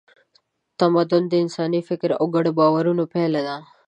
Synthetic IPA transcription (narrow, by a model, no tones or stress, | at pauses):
t̪əmad̪ond̪iɪnsaːnifɪkɾoɡəɽbaʋəɾũnũːpʰɛːləd̪aː